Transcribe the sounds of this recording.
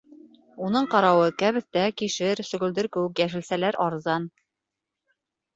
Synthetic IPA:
unɤɴqɑɾɑwɤkæβɘ̆θt̪ækiʃɘɾsɵ̆ɡɵ̆ld̪ɘ̆ɾkʉkjæʃɘ̆lsælæɾʔɑɾzɑn

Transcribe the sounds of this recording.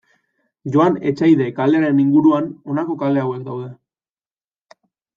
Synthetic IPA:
ʝo̞ane̞̰t͡ʃajðe̞kale̞aɾe̞niŋɡuɾuano̞nako̞kale̞awe̞k̚d̪awðe̞

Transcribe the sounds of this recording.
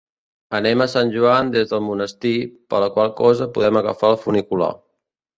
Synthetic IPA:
ənɛməsanʲʒuand̪ezðəlˠmunəst̪ipə̰ləkwalˠkɔzəpuðɛməɣə̰faəlˠfunikula̰

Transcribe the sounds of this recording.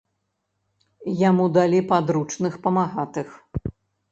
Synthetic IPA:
jamud̪alʲipad̪ɾut͡ʂnɨxpɐmaɣat̪ɨx

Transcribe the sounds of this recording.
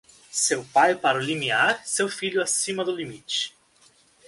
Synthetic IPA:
sewpajpaɾɐʊlimiaɾsewfiʎʊasĩmɐd̪ʊlimit͡ʃɪ̥

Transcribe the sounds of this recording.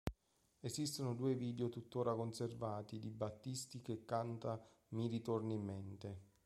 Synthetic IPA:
esist̪onod̪uːeviːd̪eot̪ut̪ːoːɾakonservaːt̪id̪ibːat̪ːist̪ikekːant̪a | miɾit̪orniimːent̪e

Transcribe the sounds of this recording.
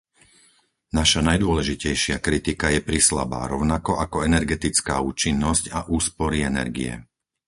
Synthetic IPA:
naʃanajd̪ʊɔlɛʒicɛjʃɪakɾit̪ikajɛpɾisla̰ba̰ːɾɔʊnakɔʔakɔɛnɛɾɡɛt̪it͡skaːuːt͡ʃinːɔscaʔuːspɔɾiɛnɛ̰ɾɡḭɛ̰

